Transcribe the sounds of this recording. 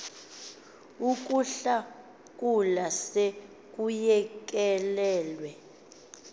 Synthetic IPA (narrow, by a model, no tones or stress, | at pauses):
uk̬ʼuɬa | k̬ʼulase | k̬ʼujɛk̬ʼɛlɛːlwɛ